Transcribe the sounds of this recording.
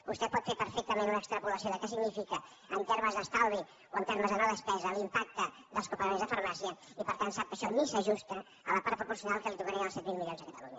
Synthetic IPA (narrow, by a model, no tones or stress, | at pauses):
bust̪ɛpɔt̪feɾpəɾfɛk̚t̪əmenunəkst̪ɾəpuləsioðəkɛsiɡnifikə | ənt̪eɾməzðəst̪alˠβi | oənt̪eɾməzðənoðəspɛzəlimpak̚t̪ə | d̪əlˠskupəɾmenzðəfəɾmasiəipəɾt̪ansap̚kəʃɔmisəʒust̪ə | ələpaɾt̪̚pɾupuɾsiunalˠkəlit̪ukəɾiəəlˠsɛt̪̚milˠmilionzðəkət̪əluɲə